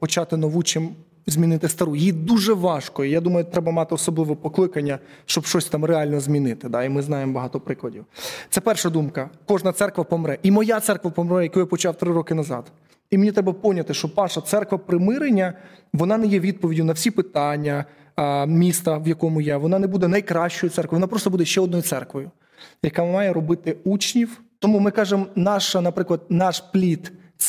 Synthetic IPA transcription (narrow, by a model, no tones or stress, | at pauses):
pɔt͡ʃɑt̪ɪnɔʋut͡ʃɪm | zʲmʲinɪt̪ɪst̪ɐɾujid̪uʒɛʋɑʃkɔjɛjad̪umɐjʊt̪ɾɛbɐmɑt̪ɪɔsɔblˠɪʋɔpɔklˠɪkɐnʲːɐʃt͡ʃɔbʃt͡ʃɔsʲt̪ɑmreɑlʲnɔzʲmʲinɪt̪ɪd̪ɑimɪznɑjemɔbɐɦɑt̪ɔpɾɪklˠɐdʲiwt̪sɛpɛrʃɐd̪umkɐkɔʒnɐt̪sɛrkʋɐpɔmɾɛʔimɔjat̪sɛrkʋɐpɔmɾɛjɐkujapɔt͡ʃɑwt̪ɾɪɾɔkɪnɐzɑ̰d̪̥ | imenʲit̪ɾɛbɐpɔwnʲɐt̪ɪʃt͡ʃɔpɑʃɐt̪sɛrkʋɐpɾɪmɪɾenʲːɐ | ʋɔnɑnɛjɛʋʲid̪̚pɔʋʲidʲinɐwsʲipɪt̪ɑnʲːɐ | mʲist̪ɐʋjɐkɔmʊjaʋɔn̪ɑnɛbud̪ɛnɐjkɾɑʃt͡ʃɔjʊtsɛrkʋɔjʋɔnɑpɾɔst̪ɔbud̪ɛʃt͡ʃɛɔd̪nɔjʊt̪sɛrkʋɔjʊ | jɐkamɑjɛɾɔbɪt̪ɪut͡ʃnʲiwt̪ɔmumɪkɑʒemnɑʃɐnɐpɾɪklˠɐd̪̚nɑʃplʲit̪